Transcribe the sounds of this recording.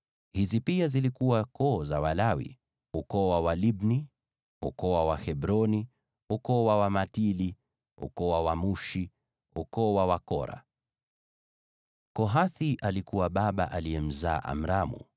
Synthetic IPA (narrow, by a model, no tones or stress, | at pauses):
hizipiazilikuwakɔːzawalawḭ | ukɔwawalibni | ukɔwawahɛbɾɔni | ukɔwawamatili | ṵkɔwawamuʃi | ukɔwawakɔɾa̰ | kɔɦaθiʔalikuwaɓaɓa̰ʔaliɛm̩zaːʔa̰m̩ɾamṵ